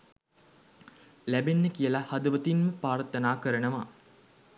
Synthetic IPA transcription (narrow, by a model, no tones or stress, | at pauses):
læbenːəkijəlahad̪əʋət̪inməpaːɾt̪ːənaːkəɾənəʋa